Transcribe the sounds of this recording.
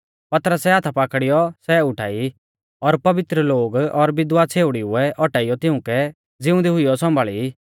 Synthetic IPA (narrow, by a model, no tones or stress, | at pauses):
pɐt̪əɾəsɛaːt̪ʰapaːkɽijɔsɛʊʈʰa̰ːi | ɔɾpɐʋɪt̪ɾəloːɡɔɾbɪd̪wat͡sʰeːʊɽiʊɛʔɔʈaːijɔt̪ɪ̃ʊ̃kɛ | d͡zɪʊ̃nd̪iɦʊijɔsɔ̃mbaːɭi